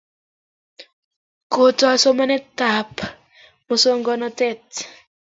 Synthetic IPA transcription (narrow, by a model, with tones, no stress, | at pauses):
ko˨to˨a˨so˦ma˦nɛ˦ta˨p | mo˦so˦ŋɡɔ˦nɔ˦tɛ˦t